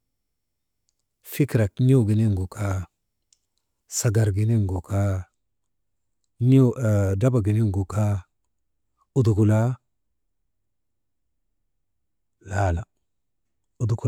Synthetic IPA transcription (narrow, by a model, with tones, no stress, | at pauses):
fi˦kɾa˨kni˦o˦˨ɡi˨ne˦ŋɡo˨kʰa˦ | sa˨ɡa˨ɾɡi˨ne˦ŋɡo˨ka˦ | ni˦˨da˦ba˨ɡi˨ne˦ŋɡu˨ka˦ | u˦d̪u˨ku˨la˦ | la˨˦la˨ | u˨d̪u˨ku˨